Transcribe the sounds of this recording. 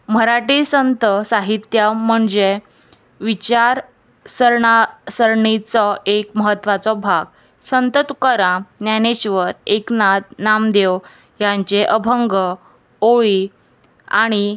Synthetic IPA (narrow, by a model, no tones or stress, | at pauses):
m̤əɾaʈisənt̪əsaɦit̪jam̤əɳd͡ze | ʋit͡ɕaɾ | səɾɳasəɾɳit͡sɔʔekməɦət̪ːʋat͡sɔbʱaɡ | sənt̪ət̪ukəɾãnjaneɕʋəɾeknat̪̚namd̪ew | jãɲt͡ɕeʔəbʱəŋɡə | oɭi | a̰ɽ̃i